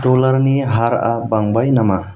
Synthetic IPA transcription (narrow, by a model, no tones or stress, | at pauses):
dolaɾniɦaɾa̰baŋbajnama